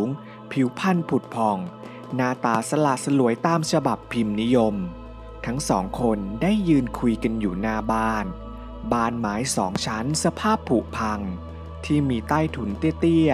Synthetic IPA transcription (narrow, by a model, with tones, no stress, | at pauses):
ŋ | pʰi˨˩˦wpʰa˧˥˩npʰu˨˩t̪̚pʰɔ˧˩ŋ | naː˧t̪aː˧sa˧la˨˩ʔ̚sa˧lu˨˩˦əjt̪aː˧mt͡ɕʰa˧ba˨˩pʰːi˧mni˦˥jo˧m | t̪ʰa˦˥ŋsɔ̰ː˩˦ŋkʰo˧ndaː˥˩jːɯː˧nkʰu˧jka˧njuː˨˩naː˧baː˥˩n | baː˧˩nmaː˩˦jsɔ̰ː˩˦ŋt͡ɕʰa˦˥nsa˧pʰaː˥˩pʰːu˨˩ʔpʰa˧ŋ | t̪ʰiː˥˩miː˧t̪aː˥˩jt̪ʰu˨˩˦nt̪i˦˥˩ət̪i˥˩